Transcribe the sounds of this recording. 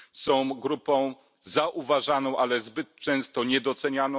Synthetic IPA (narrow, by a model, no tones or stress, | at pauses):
sɔ̃w̃ɡɾupɔ̃w̃ | zaʔuvaʐanɔ̃w̃ʔalɛzbɘt̪̚t͡ʂɛ̃w̃st̪ɔɲɛd̪ɔt̪sɛɲanɔ̃